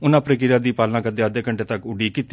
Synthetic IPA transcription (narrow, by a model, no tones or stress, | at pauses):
ʊnãːpɾəkɪɾaːd̪iːpaːlnãːkəd̪eːəd̪eːkəɳʈeːt̪ɐkʊɖiːkit̪ː